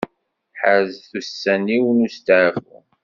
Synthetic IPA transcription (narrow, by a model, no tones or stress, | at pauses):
ħəzθusːæniwnust̪ʕvṵ